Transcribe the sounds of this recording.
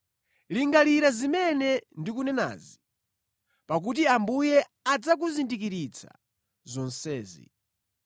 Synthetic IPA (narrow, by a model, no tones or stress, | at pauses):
liŋɡaliɾazimɛnɛndik̬unɛna̰zi | pak̬ut̬iambujɛad͡zakuzindik̬iɾit͡sʰa̰ | zɔnsɛːzḭ